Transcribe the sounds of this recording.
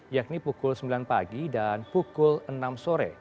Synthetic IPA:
jak̚nipukʊlsəmbilanpaɡidanpukʊlənamsoɾɛ̰

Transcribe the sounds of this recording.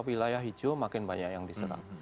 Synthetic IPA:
wilajaɦid͡ʒomakɪnbaɲajaŋdisəɾa̰ŋ

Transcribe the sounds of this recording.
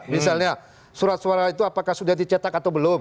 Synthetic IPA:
misalɲa | suɾat̪̚suaɾait̪uapakahsudahdit͡ʃat̪akat̪awbəlom

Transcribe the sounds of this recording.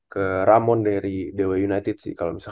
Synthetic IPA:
kəɾamɔndaɾidewajunajt̪ɪd̪sɪ̰hkalomisa

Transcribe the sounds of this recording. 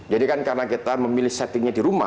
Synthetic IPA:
d͡ʒadikankaɾənakit̪aməmilɪhsat̪ɪŋɲadiɾuma̰

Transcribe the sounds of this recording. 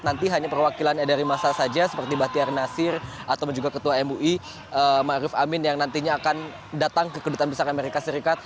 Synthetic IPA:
nant̪iɦaɲapərwakilanɲadaɾimasasad͡ʒasə̥pərt̪ibaht̪iarnasɪrat̪awbəɲd͡ʒuɡakət̪uaɛmuʔi | əmaɾɪfamɪnjaŋnant̪iɲaːkan | dat̪aŋkəkədut̪anbisaɾameɾikasəɾikat̪̚

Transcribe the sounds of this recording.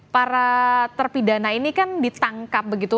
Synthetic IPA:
paɾat̪ərpidanainikandit̪aŋkap̚bəɡit̪u

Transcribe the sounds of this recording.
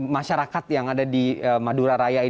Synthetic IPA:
maʃaɾakat̪jaŋadadiəmaduɾaɾajai

